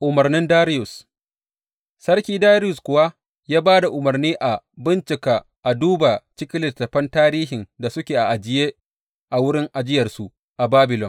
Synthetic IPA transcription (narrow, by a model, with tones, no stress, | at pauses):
ʔʊ˨mɐ˨rnɪ˦ndaː˦ɾɪ˦jʊ˨s | sɐ˦rkʲiː˦daː˦ɾɪ˦jʊ˨skʷʊ˨wa˦ | jaː˦baː˦da˨ʔʊ˨mɐ˨rniː˦ʔa˨bɪ˦nt͡ʃɪ˨kaː˨ | ʔa˨duː˦ba˨t͡ʃɪ˦kʲɪ˦lɪ˨tːɐ˨ɸɐ˦ntaː˦ɾiː˦ɦɪ˨nda˨sʊ˦kʲeː˨ʔa˨ʔa˨d͡ʒɪ˨jeː˦ | ʔa˨wʊ˦ɽɪ˦ŋʔa˨d͡ʒɪ˦jɐ˨rsu˨ | ʔa˨baː˦bɪ˨lɔ˨n